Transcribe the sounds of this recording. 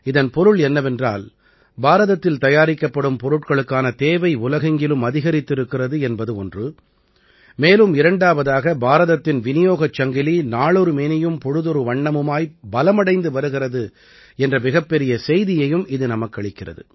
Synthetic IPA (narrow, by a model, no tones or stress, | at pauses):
ɪðɐnpɔɾɯɭɛnːɐʋɛndra̰ːl | baːɾɐðɐt̪ːɪlt̪ɐjaːɾɪkːɐpːɐɽɯmpɔɾɯʈkɐɭɯkːaːnɐt̪eːʋɐɪʊlɐɣɐŋɡɪlɯmɐðɪɣɐɾɪt̪ːɪɾɯkːɪrɐðɯɛnbɐðɯɔndrɯ | meːlɯmɪɾɐɳɖaːʋɐðaːɣɐbaːɾɐðɐt̪ːɪnʋɪnɪjoːɣɐt͡ʃːɐŋɡɪlinaːɭɔɾɯmeːnɐjɯmpɔɻɯðɔɾɯʋɐɳːɐmɯmaːjbɐlɐmɐɽɐɪnd̪ɯʋɐɾɯɣɪrɐðɯ | ɛndrɐmɪɣɐpːɛɾɪjɐsɛjðɪjɐjɯmɪðɯnɐmɐkːɐɭɪkːɪrɐ̰ðɯ̰